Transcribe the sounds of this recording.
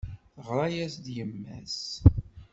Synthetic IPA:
ʁɾˤɑjæsd̪jəmːæ̰s

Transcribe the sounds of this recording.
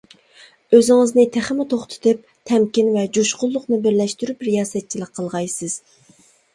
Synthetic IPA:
øzɪŋəznɨt̪ʰɪχɪmɪt̪ʰoχt̪ʰɪ̥t̪ɨp̚ | t̪ʰɛmkʲinvɛd͡ʒoʃqʊlˠːʊqmɨbɪɾlɛʃt̪yɾypɾijɑːsɛt̪̚t͡ʃʰilˠəq̚qʰːəlˠʁɑjsɨz̥

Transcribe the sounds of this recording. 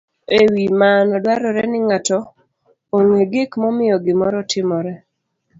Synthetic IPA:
ewimanɔdwaɾɔɾɛnɪŋatɔ | oŋeɡɪkmɔmɪjɔɡɪmɔɾɔtʰɪmɔɾɛ

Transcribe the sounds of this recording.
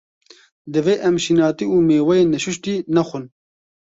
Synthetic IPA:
d̪ɨveːʔɛmʃinɑːt̪iuːmeːwɛjeːnɛʃuʃt̪iːnɛxʷun

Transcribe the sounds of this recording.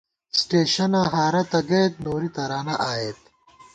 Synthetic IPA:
sʈeːɕɐnãːɦaːɾɐt̪ɐɡejt̪̚noːɾit̪ɐɾaːnɐʔaːjeːt̪

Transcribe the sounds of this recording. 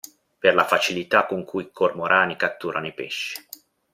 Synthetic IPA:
perlafat͡ʃilit̪akːoŋkʰujikʰormoɾʔaːnikat̪ːuːɾʔanoipeʃːi̥

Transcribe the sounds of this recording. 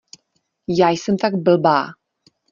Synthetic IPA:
jaːjsɛmt̪aɡbəlbaː

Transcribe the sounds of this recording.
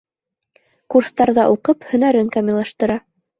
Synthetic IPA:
kurst̪ɑɾðɑʔuqɤphɵ̆næɾɘŋkamilˠɑʃt̪ɤ̆ɾɑ

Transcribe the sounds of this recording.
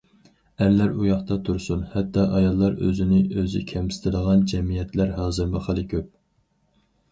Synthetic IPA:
æɾlæɾujɑχt̪ɑt̪ʰuɾsunhɛt̪ːɑʔɑjɑlˠːɑɾø̰zɪnɪʔøzɪ̰kʲʰɛmsɪ̥t̪ʰɪd̪əʁɑnd͡ʒɛmijɛt̪læɾɦɑːzɨɾmɨχəlˠɨkʲʰøp̚

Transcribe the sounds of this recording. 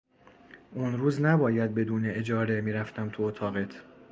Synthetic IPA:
ʔunɾuːznæbɒːjæd̪̚be̞d̪uːne̞ed͡ʒɒːɾe̞miːɾæft̪æmt̪ʰuot̪ʰɒːɣe̞t̪ʰ

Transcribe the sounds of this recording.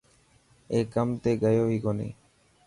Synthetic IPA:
ekamt̪eɡajoɦikɔnḛ

